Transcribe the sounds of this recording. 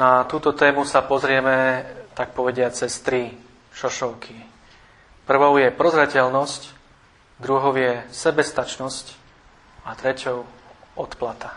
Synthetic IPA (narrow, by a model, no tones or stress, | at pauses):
nat̪uːt̪ɔt̪ɛːmusapɔzɾɪɛmɛt̪ak̚pɔʋɛɟɪat͡sɛst̪ɾi | ʃɔʃɔʊkʰi | pr̩ʋɔʊjɛpɾɔzɾɛcɛlnɔsc | d̪ɾuɦɔʊjɛsɛbɛst̪at͡ʃnɔsc | at̪ɾɛcɔʊ | ɔt̪plat̪a